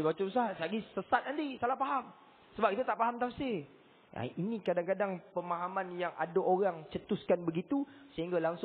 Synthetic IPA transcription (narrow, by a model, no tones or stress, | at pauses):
bat͡ʃubəsasaɡisəsat̪̚andisalahpaɦam | səbapkit̪at̪aʔpaɦamt̪awse | a̰inĩkadaŋkadaŋpəmaɦamanjaŋʔa̰daʔoɾaŋt͡ʃət̪uskanbəɡit̪usəɦiŋɡalaŋs